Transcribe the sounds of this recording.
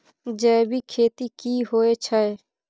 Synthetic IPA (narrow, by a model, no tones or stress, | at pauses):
d͡ʒɛːbʱikʰeːt̪ikiːɦoet͡ʃʰəɛ